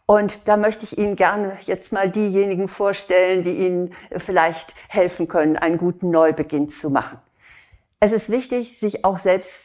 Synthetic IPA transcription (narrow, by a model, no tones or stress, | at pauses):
ʔʊntd̥aːmœçtəɪçʔiːnənɡɛɐnəjɛt͡stmaːldiːjeːnɪɡŋ̩foːɐʃtɛləndiːʔiːnənfɪlaɪçthɛlfn̩kʰœnənʔa̰ɪnənɡuːtn̩nɔʏbəɡɪnt͡suma̰χn̩ | ʔɛsɪstv̥ɪçtɪçz̥ɪçaʊxz̥ɛlpst